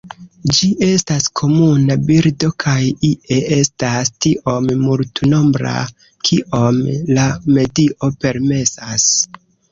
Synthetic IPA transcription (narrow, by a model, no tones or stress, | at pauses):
d͡ʒiʔe̞staskʰo̞munabiɾdo̞kʰajiʔe̞e̞stastiʔo̞mmuɾtuno̞mbɾa̰ | kʰiʔo̞mlame̞diʔo̞pe̞ɾme̞sas